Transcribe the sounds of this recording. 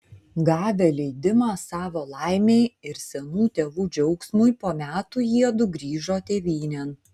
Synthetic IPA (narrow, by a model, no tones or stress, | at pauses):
ɡɑːʋʲelʲɛɪd̪ʲɪmɑːsɑːʋoːlˠɑˑɪmʲeɪɪɾsʲɛnuːt̪ʲeːʋuːd͡ʒʲɛʊksmʊjpoːmʲæːt̪ujiɛd̪ʊɡɾʲiːʒoːt̪ʲeːʋʲiːnʲɛn